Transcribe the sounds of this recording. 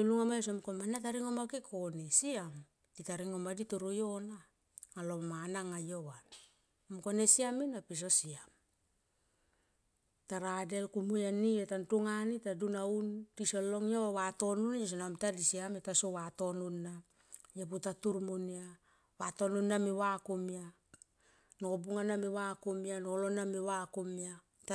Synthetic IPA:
iluŋamajos̬omkomanat̬aɾiŋomakikʰonesiam | titaɾiŋomadituɾujo̞na | ŋalo̞manaŋajo̞βan | mko̞nesiaminapis̬o̞siam | taɾade̞lkumujanietantuŋanitadunauntisolo̞ŋiowato̞nunjos̬onamtadisiametasowato̞nunːa | japutatuɾmunia | wato̞nunːamiwakumia | nobuŋanamiwakumianolonamiwakumia | ta

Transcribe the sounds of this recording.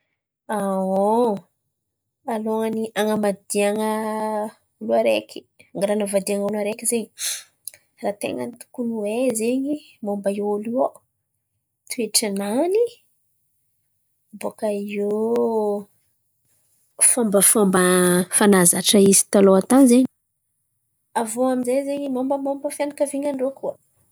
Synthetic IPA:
ao | aloŋəniʔaŋəmad̪iaŋə | uluaɾekʲi̥ | aŋɡaɾanavad̪iaŋuluaɾekizeɲi | raːt̪ḛŋə̰nit̪u̥kunuwezeɲi | mombaouluo | t̪ueʈ͡ʂanani | bokaio | fambəfambəfanazaʈ͡ʂəizi̥t̪aloat̪anzeɲi̥ | avoamizejzeɲimombəmombəfjanakaviɲaɳɖ͡ʐokuə

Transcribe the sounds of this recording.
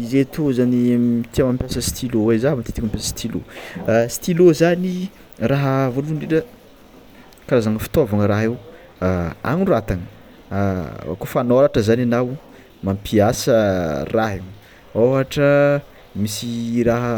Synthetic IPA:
izet̪ozanimit̪iamampjasəsi̥t̪ʰilowezaɦmat̪it̪ikmampjasə̥si̥t̪ʰilo̰si̥t̪ilozani | raɦəvoluɳɖ͡ʐiʈ͡ʂə | kaɾazaŋəfi̥t̪ovaŋəɾaɦew | a̰ŋiɳɖ͡ʐuat̪aŋə | kofanoɾaʈ͡ʂəzananaw | mampʰiasəraɦe | oɦaʈ͡ʂə | misiraɦə

